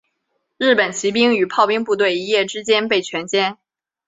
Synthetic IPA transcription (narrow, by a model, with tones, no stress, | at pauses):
ɻ̩˥˩pə˨˩nt͡ɕʰi˧˥pi˥ŋy˨˩pʰɑ˥˧ʊpi˥ŋpu˥˧t̪we˥˩ɪi˧˥jɛ˥˩ʈ͡ʂɻ̩˥t͡ɕjɛ˥npe˥˩ɪt͡ɕʰɥɛ˧˥nt͡ɕjɛ˥n